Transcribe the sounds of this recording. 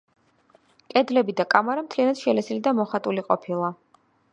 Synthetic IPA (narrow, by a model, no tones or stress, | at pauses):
kʼɛd̪lɛbid̪akʼamaɾamt̪ʰlianad̪̥ʃɛlɛsilid̪amɔχat̪ʼuliqʼɔpʰilˠa